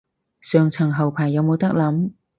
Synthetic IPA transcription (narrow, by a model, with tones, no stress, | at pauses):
sœː˨ŋt͡sʰɐ˨˩ŋɦɐ˨˩wpʰaː˨˩jːɐ˨˧wmo˨˧wt̪ɐ˥k̚lɐ˨˥m